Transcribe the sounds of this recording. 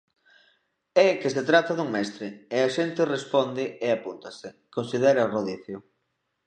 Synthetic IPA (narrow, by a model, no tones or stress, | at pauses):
ɛkeset̪ɾat̪aðuŋmɛst̪ɾeeaʃent̪ɪrespɔnd̪ɪeapunt̪asɪ | konsiðɛɾaroðiθjʊ